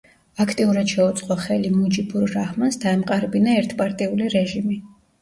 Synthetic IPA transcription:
akʰt̪ʼiuɾad̪ʃɛut̪sʼqʼɔχɛlimud͡ʒibuɾɾahmansd̪aɛmqʼaɾbinaɛɾt̪ʰpʼaɾt̪ʼiuliɾɛʒimi

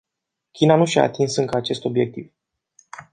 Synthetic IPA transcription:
kʲinanuʃia̰ːt̪insɨŋkəat͡ʃe̞st̪o̞bje̞k̚t̪iv

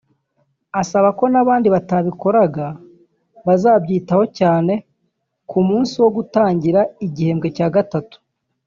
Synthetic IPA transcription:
asaβako̞naβaːndiβataβiko̞ɾaɡa | βazaːbɟiːtaho̞caːne̞ | kumuːnsiwo̞ɡutaːɲɟiɾaiɟihe̞ːmɡe̞caːɡatatu̥

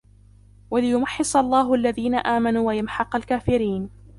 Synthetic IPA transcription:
walɪjʊmɑħːɪsˤɑlˤːaːɦʊʔalːaðiːnaʔaːmanuːwajamħɑqalkaːfɪɾiːn

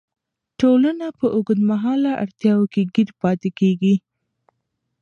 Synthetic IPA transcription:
ʈolanapəʔʊɡd̪maɦɑlaʔa̰ɽt̪jɑwokeɡiɾpɑt̪ekeɡi

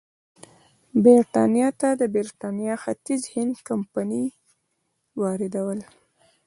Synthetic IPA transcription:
beɾʈɑnjɑt̪ad̪əbeɾʈɑnjɑxat̪izhɪnd̪kampani | wɑɾɪd̪awəl

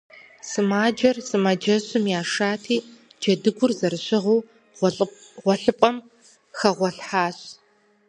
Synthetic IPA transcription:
sɨmaːd͡ʒɐrsɨmad͡ʒɐɕʼɨmjaːʂaːtʰiː | d͡ʒɐdɨɡʷʊrzɐrɨɕɪʁuː | ʁʷɔɬɨpʼɐm | xɐʁʷɔɬħaːɕ

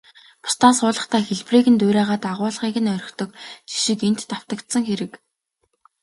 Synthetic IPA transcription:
pʰʊ̥st̪ʰansʊːɮə̆χt̪ʰæːxeɮpriːɣɘ̆nt̪ʊːɾʲæːʁaːt̪aʁʊːɮχiːɣɘ̆nœɾʲɪ̆kt̪ɞ̆k̚t͡ɕi̥ʃĭken̥t̪ːaw̥t̪ə̆kt̪sə̆ŋxeɾɘ̆k

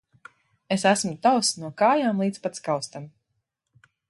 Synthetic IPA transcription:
esæsmut̪awsnuɔkaːjaːmlˠiːt̪spat̪skawst̪am

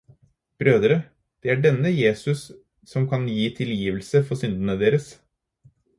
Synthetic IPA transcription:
b̥ɾøːd̪ɾə | d̪̥ɛːæɖɛnːəjeːsʉsː | ɔmkʰɑnjiːt̪ʰɪljiːʋəlsəfɔsʏnd̪ənəd̪eːɾəs

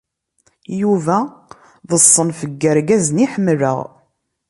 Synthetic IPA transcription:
juvæ | ðəsˤːənfəɡːəɾɡæzəniħəmːɾə̰ʁ

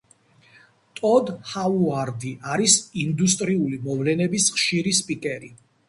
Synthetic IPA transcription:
t̪ʼɔd̪hauaɾd̪iʔaɾisind̪ust̪ʼɾiulimɔvlɛnɛbisχʃiɾispʼikʼɛɾi

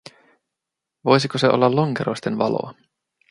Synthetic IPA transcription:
ʋo̞jsikoseʔolːɑlːo̞ŋkeɾo̞ist̪e̞nʋɑ̰lo̰

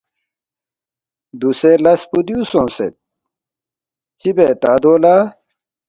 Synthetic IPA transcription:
d̪uselɐspud̪ijusõːsḛt̪̚ | t͡ɕibeːt̪aːd̪oːla

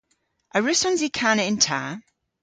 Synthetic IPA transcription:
ʔəɹʉsɔ̃nzikʰanəɪ̃ntʰa̰ː

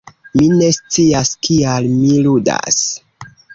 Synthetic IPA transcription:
mine̞st͡siaskialmiluda̰s

